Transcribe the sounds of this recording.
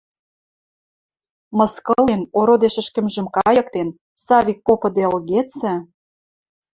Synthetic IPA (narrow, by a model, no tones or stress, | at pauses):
mɤ̆skɤ̆lenoɾod̪eʃɘ̆ʃkɘ̆mʒə̆mkɑjɤ̆k̚t̪en | sɑβʲikːopɤ̆d̪eə̆lɣet͡sɘ̆